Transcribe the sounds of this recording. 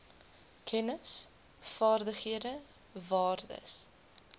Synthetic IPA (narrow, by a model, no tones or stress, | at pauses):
kʰɛnəs | fɑːrdəχiədə | vɑːrdə̰s